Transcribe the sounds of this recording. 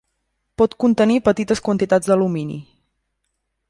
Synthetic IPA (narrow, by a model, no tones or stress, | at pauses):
pɔt̪kunt̪ənipət̪it̪əskwənt̪it̪ad͡zd̪əluminḭ